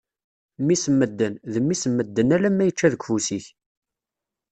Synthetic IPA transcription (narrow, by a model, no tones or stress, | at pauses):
mːisəmːəd̪ːənðəmːisəmːəd̪ːənælæmːæjət͡ʃːæðəkʷfusiç